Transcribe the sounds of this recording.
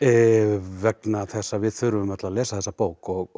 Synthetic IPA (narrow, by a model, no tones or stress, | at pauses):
ɛvɛknaθɛsːavɪðθʏɾʏvʏmat̪lalɛːsaθɛsːapoːwkɔɣ